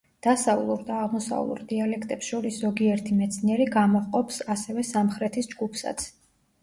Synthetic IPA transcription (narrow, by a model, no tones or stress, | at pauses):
d̪̥asavlˠuɾd̪aːʁmɔsa̰vlˠṵɾd̪ialɛkʰt̪ʼɛpsʃɔɾiszɔɡiɛɾt̪ʰimɛt̪sʰniɛɾiɡamɔχqʼɔpsasɛvɛsamχɾɛt̪ʰisd͡ʒɡupʰsa̰t̪sʰ